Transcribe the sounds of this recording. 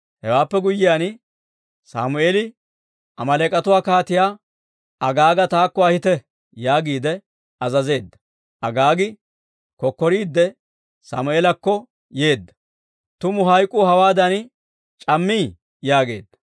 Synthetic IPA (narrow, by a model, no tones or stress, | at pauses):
hɛwaːpːɛɡʊjːɪjaːn | sa̰ːmʊeːlɪ | ʔɐmɐleːkʼɐt̪ʊwaːkaːt̪ɪjaː | ɐɡaːɡɐt̪aːkːɔɐhɪt̪ɛ | jaːɡiːd̪ɛ | ɐzɐze̞ːd̪ːɐ̥ | ʔɐɡaːɡɪ | kɔkːɔɾiːd̪ːɛ | sa̰ːmʊeːlɐkːɔ | je̞ːd̪ːɐ̥ | t̪ʊmʊɦɐjkʼːʊhɐwaːd̪ɐn | t͡ʃʼɐmːiː | jaːɡe̞̰ːd̪ːɐ̥